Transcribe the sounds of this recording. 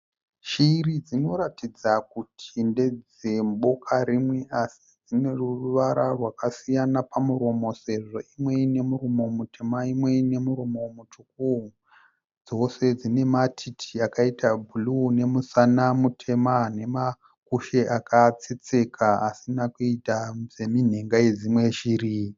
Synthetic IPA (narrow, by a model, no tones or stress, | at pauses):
ʃiːrid͡zino̞ɾatid͡zak̚utʰinde̞d͡z | e̞mbo̞kʰaɾimwe̞ʔasi̥d͡zine̞ruruʋaɾarwakasijanapamuɾo̞mo̞se̞ʐo̞imwe̞ine̞muromo̞mute̞maimwe̞ne̞muɾomo̞mutʰuku | d͡zo̞se̞d͡zine̞matʰitʰiakaitʰabʱulune̞musanamutʰe̞mane̞ma | kuʃe̞ʔakʰat͡set͡se̞kʰaasinakuitazemin̤e̞ŋɡaje̞d͡zimwe̞ʃiːri